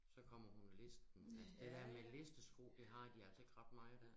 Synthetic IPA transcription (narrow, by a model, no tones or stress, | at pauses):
sɒ̽kʰɒ̽m̰ɐhunle̝sd̥n̩ælsd̥e̝d̥æɐ̰mele̝sd̥əsɡ̥o̰ːd̥eɦɑ̈d̥iælsəe̝ɡ̥ʁɑ̈d̥mɑ̈ɪd̥æɐ̰